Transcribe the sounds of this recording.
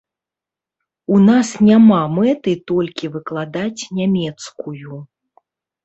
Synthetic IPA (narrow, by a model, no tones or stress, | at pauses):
unasnʲamamɛt̪ɨt̪ɔlʲkʲivɨklˠad̪at͡sʲnʲamʲɛt̪skuju